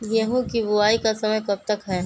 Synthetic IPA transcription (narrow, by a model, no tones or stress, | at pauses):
jɛɦũkibʊaːikasɐməjkɐb̚t̪ɐkɦɛː